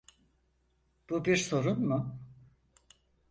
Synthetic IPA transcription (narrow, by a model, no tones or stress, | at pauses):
b̥ubiɾso̞ɾunmʊ